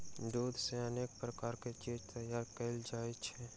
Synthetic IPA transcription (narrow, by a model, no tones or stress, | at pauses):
d̪uːd̪ʱseɐneːk̚pɾəkaːɾket͡ʃeːd͡ʒt̪ɐjaːɾkɐɪld͡ʒaːet͡ʃʰɛ